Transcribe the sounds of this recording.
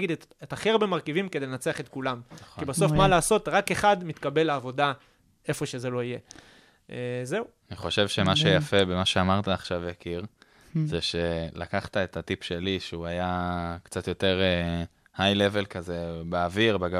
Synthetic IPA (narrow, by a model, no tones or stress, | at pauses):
ɡid̪ttaχeʁbemaʁkivimked̪elenat͡seaχe̞t̪kulamibaso̞fmalaːso̞tʁakeχad̪mit̪kabe̞laːvo̞da | e̞fo̞ʃe̞ze̞lo̞ije̞ | eze̞uaniχo̞ʃe̞vʃemaʃejafebemaʃeamaʁt̪aːχʃavjakiʁ | zeʃelakaχt̪aet̪atipʃeliʃeuajakt͡sat̪jo̞t̪e̞ʁe | hajle̞ve̞lkazebeaviʁbeɡa